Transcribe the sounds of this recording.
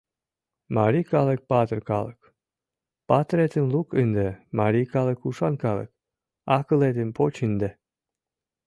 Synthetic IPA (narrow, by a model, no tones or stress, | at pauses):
maɾikɑlə̆k̚pɑt̪ərkɑ̰lək | pɑt̪ɾet̪əmlukɨnd̪emaɾikɑlə̆kuʃɑnkɑlə̰k̚ | ɑkəlet̪əmpʰot͡ɕɨnd̪e